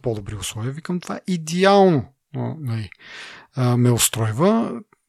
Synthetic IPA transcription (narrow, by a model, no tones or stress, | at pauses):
pɔd̪obɾiʊslˠɔviəvikəmt̪ova̰ʔid̪ɛalˠno | onɐli | əmɛʊst̪ɾɔjvə